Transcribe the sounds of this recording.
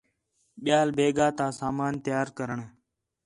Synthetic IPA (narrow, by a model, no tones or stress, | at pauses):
ɓɪjaːlbeːɡaːt̪aːsaːmaːnt̪jaːɾkəɾəɳ